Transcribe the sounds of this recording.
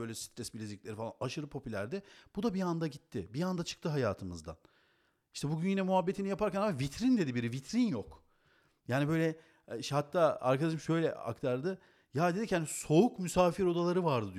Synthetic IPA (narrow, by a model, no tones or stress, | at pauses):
øjlʲɛsi̥t̪ʰɾɛsbilʲeziclʲeɾifalˠa̰naʃɯɾɯpʰo̞pʰylʲæ̰ɾd̪ɛb̥ud̪abiand̪aɟit̪ʰːɪbiand̪at͡ʃʰɯ̥k̚t̪ʰɯɦaja̰ːt̪ʰɯmɯ̰zd̪a̰n | iʃt̪ʰɛbuɟynjinʲɛmuɦabːet̪inijapaɾcænamavit̪ʰɾind̪e̞d̪ibiɾivit̪ʰɾinjok | jaːnibø̞jlʲɛ | ʃhat̪ʰːaːa̰ɾkʰad̪aʃɯmʃø̞jlʲɛ̰a̰kt̪ʰaɾd̪ɯ | jad̪eichanso̞ukmysaːfiɾo̞d̪alˠaɾɯvaɾd̪ɯd̪i